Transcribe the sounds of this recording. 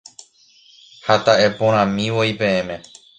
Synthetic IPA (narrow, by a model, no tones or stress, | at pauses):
hat̪aʔe̞põɾ̃ãmĩʋojpẽ̞ẽmẽ̞